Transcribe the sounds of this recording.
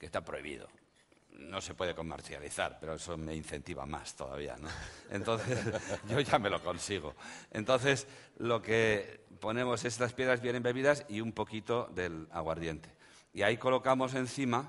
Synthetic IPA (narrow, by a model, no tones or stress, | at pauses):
kest̪apɾoiβḭðo̞̰ | no̞se̞pwe̞ð̞e̞ko̞mḛɾθja̰lḭθa̰ɾpe̞ɾo̞eso̞me̞in̟θe̞nt̪iβa̰ma̰st̪o̞̰ða̰βḭa̰noḛnt̪õ̞nθe̞sʝo̞ʝame̞lo̞ko̞nsiɣ̞o̰ẽ̞̰nt̪o̞n̟θe̞s | lo̞ke̞po̞nẽ̞mo̞se̞s̬t̪aspje̞ðɾazβje̞ne̞mbe̞βiðasiumpo̞kit̪o̞ðe̞la̰ɣwaɾðje̞nt̪e̞̥ | iaiko̞lo̞kamo̞s̬e̞nθima